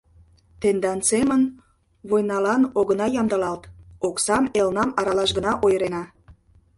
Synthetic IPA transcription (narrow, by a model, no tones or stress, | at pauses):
t̪end̪ɑnsemən | βojnɑlɑnoɣənɑjɑmd̪əlɑlt̪oksɑmelnɑmɑɾɑlɑʃɡənɑʔojəɾenɑ